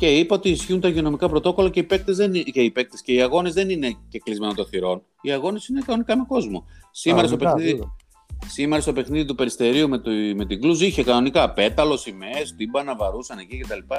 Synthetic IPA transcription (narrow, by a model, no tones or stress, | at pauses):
ce̞ipɐot̪iːsçiunt̪ɐʝiono̞mikɐpɾo̞t̪o̞ko̞lɐceipek̚t̪ezeceipe̞k̚t̪esce̞iɐɣo̞nezðe̞nine̞ce̞klizme̞not̪o̞θiɾo̞n | iɐɣo̞ne̞sine̞kɐno̞nikɐme̞ko̞zmo̞̰simmeɾɐst̪openið | simeɾɐst̪o̞pe̞xniðit̪upe̞ɾist̪e̞ɾiumet̪me̞t̪iɡluziçe̞kɐno̞nikɐpe̞t̪ɐlo̞simest̪ibɐnɐvɐɾusɐne̞cice̞t̪ɐlipɐ